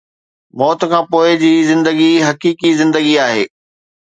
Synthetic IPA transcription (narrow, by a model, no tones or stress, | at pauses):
mɔːt̪̆kʰãːpoːɪd͡ʑiːzɪ̃nd̪əɡiɦɐkiːkizɪ̃nd̪əɡiaːɦḛː